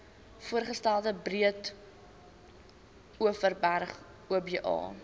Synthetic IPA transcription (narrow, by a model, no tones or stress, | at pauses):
fuərχəstælˠdəbriət | uəfərbærχ | uəbiʔɑ̰ː